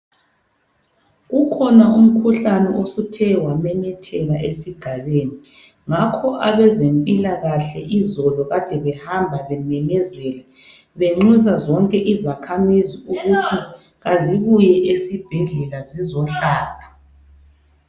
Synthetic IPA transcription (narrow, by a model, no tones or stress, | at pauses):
ɣukʰɔnaum̩kʰuɬanɛʔosutʰɛwamɛnɛtʰɛlaʔesiɡ̥ʱaβeːni | ŋakʰɔʔaβɛzempʼilaɣaɬɛʔizɔlɔɣad̥ʱɛβɛhambʱaβɛnɛmɛzɛlɛ | βeŋ͡ǀuzazɔŋkʼɛʔizakʰamiziuɣutʰi | ɣaziβujɛʔesib̥ʱɛɮɛlazizɔɬaːpʰḁ